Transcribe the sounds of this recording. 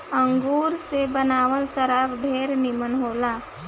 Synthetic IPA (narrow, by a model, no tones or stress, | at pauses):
ə̃ŋɡuːɾsebənaːʋəlsəɾaːbɖʱeːɾnɪmənɦoːlaː